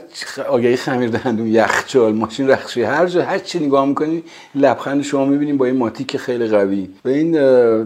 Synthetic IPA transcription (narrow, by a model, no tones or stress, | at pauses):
t͡ʃɒːɡæjiːxæmiːɾd̪æhænd̪unjæxt͡ʃʰɒːlmɒːʃinræxʃihæɾd͡ʒɒːhæɾt͡ʃʰineɡɒːhmikʰoniːn | læb̥xænd̪eʃo̞mɒːmibiːniːmbɒːjenmɒːt̪ʰikʰexejliɣæviːvæiːn